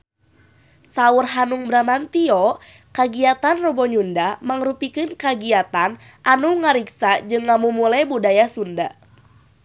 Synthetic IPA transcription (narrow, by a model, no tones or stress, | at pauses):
saurɦanuŋbɾamant̪iɔ | kaɡiat̪anrɔbɔɲundamaŋrupikɨnkaɡiat̪an | ʔanuŋaɾiksad͡ʒɨŋːamumulajbudajasunda